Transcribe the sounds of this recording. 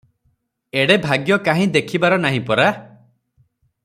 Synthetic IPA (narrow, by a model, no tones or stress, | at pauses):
eɽebʱaɡjɔkaɦĩd̪ekʰibaɾɔnaɦĩpɔɾa